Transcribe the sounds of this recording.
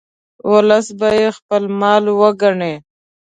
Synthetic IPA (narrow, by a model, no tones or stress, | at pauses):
wʊləsbajexpəlmɑlwəɡaɳe